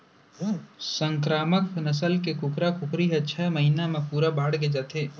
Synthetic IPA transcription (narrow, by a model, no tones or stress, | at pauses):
sə̃ŋkɾaːməknəs̬əlkekʊkɾakʊkɾiɦɛt͡ʃʰɛːməɦiːnamẽpuːɾabaːɽɡed͡ʒaːt̪ʰeː